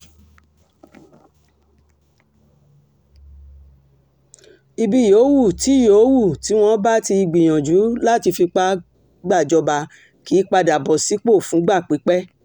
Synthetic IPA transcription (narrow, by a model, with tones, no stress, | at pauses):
i˧bi˧˨jo˨˦wu˦˨ti˨˦jo˨˦wu˦˨ti˨˦w̃ɔ̃˦ba˦ti˧i˧ɡ͡bi˨j̃ã˨d͡ʒu˨˦la˦˨ti˧fi˧k͡pa˦ | ɡ͡ba˦˨d͡ʒɔ˧ba˧ | ki˨˦k͡pa˧da˨bɔ˨si˨˦k͡po˦˨fũ˨˦ɡ͡ba˦˨k͡pi˨˦k͡pɛ˦